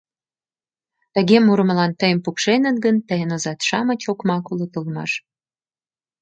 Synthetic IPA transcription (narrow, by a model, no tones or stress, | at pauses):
t̪ə̆ɣemuɾəməlɑnt̪əjəmpukʃenə̆t̪ɡənt̪əjənozɑt̪ʃɑmə̆t͡ɕokmɑkulət̪əlmɑ̰ʃ